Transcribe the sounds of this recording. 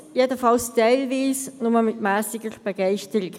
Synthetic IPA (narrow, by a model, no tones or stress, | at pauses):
jeːdəfɑlstaɪlviːsnʊməmɪtmæːsɪɡəʁb̥əɡaɪʃtəʁɪk